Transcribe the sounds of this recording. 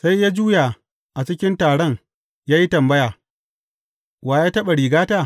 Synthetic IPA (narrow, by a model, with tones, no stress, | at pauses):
sa˦jjaː˦d͡ʒuː˦ja˨ | ʔa˨t͡ʃɪ˦kʲɪ˦ntaː˨ɽɔ˦ŋ | jaː˦ji˦tɐ˨mbɐ˦jaː˨ | waː˨jaː˦tɐ˦ɓa˨ɽiː˨ɡaː˦taː˦˨